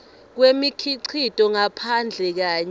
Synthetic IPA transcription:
k̬wemikʰiǀʰitʼɔŋapʰand͡ɮʱɛk̬aːɲ

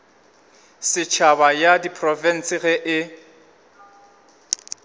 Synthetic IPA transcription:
sɪt͡ʃʰabajadipʰʼrɔfɛn̩sɪɣɛʔɪ

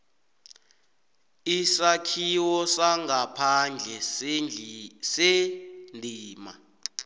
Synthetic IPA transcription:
isakʰiwɔsaŋɡʱapʰand͡ɮʱɛ | sendʱiːma̰

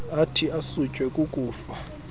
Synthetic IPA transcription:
atʰiasut͡ʃʼwɛkʼukʼuːfa

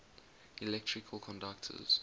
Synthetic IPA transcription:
ilɛk̚tʰɹɪkʰəlˠkʰɔ̃ndak̚tʰə̰z̥

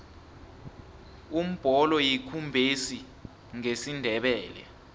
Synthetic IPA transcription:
um̩b̥ʱɔlɔjikʰumbʱesi | ŋesindʱɛɓɛːlɛ̰

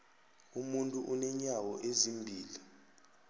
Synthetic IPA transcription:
umuntʼuʔunɛɲawɔʔezimbʱiːli

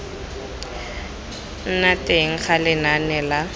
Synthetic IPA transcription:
n̩natʼeŋ̩χalɪnanɛla

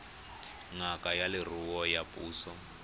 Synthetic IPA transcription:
ŋakʼajalɪr̤uwɔjapʼuːsɔ

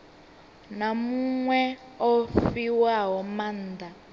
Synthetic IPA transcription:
namuŋwɛ | ɔffiwaɦɔmanda

